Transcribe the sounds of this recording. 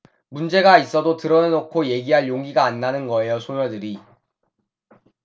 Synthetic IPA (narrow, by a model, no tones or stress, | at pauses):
mund͡ʑe̞ɡais͈ʌdotɯɾʌnenokʰoje̞ɡiɦaɭjoŋɡiɡaːnːanɯnɡʌe̞josʰoŋʌdɯɾi